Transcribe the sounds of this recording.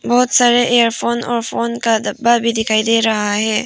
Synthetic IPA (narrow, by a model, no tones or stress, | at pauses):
bɔɦʊt̪saɾeʔejəɾpʰoːnɔːɾfoːnkad̪ɐbabʱid̪ɪkʰaːid̪eɾɐɦaɦɛː